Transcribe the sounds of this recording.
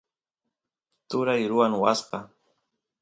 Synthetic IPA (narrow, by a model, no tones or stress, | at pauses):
t̪ʊɾajɾʊwaŋwasqɑ